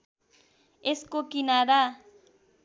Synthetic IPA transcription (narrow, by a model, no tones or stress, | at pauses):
eskokɪnaːɾa